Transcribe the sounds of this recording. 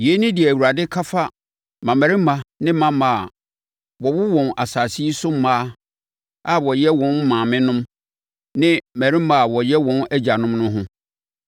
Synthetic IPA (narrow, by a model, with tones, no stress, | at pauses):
je˨˦nĩ˦di˨ɛ˨æ˨wu˨a˨dɪ˦kʰa˦fa˦ | mã˨mæ˨ɾĩ˦mã˨nɪ̃˦mã˦mã˨ | wɔ˨wʊ˦wɔ̃˨nʔa˨saː˨si˦i˦sʊ˦mː˦ãː˦ | a˦wɔ˨jɛ˦wɔ̃˦n˦mːãː˨mɪ̃˦nʊ̃˦m | nɪ̃˦mæ˨ɾi˦mã˨wɔ˨jɛ˦wɔ̃˦næ˦d͡ʑa˨nʊ̃˦mnʊ̃˦ɦʊ̃˦